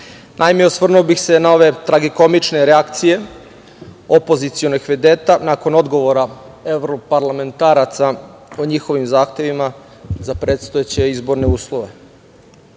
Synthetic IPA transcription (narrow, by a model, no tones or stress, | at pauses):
nʔajmeosʋr̩nubixse̞nao̞ʋe̞t̪ɾaɡiko̞mit͡ʃne̞ɾeakt̪sije̞ | o̞po̞zit̪sio̞noɡxʋed̪eːt̪anako̞no̞d̪ɡo̞ʋoɾa | eʋɾopaɾlˠame̞nt̪aːɾat̪saoɲixo̞ʋimzaːxt̪e̞ʋima | zapɾeːt̪st̪ojet͡ɕe̞izbo̞ɾne̞uːslˠoʋe̞